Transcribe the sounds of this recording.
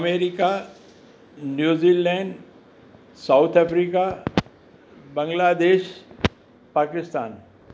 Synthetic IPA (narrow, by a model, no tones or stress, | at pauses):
ɐmeːɾika | njuːziːlɛ̃ːɳɖ | saʊt̪ʰəfɾiːka | bɐ̃ŋɡlaːd̪eːʃ | paːkɪst̪aːn